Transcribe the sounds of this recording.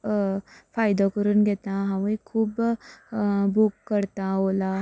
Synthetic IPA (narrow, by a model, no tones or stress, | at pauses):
fʰaːjd̪okəɾənɡet̪ãɦãʋikʰuːb | bukːəɾt̪aɦoːla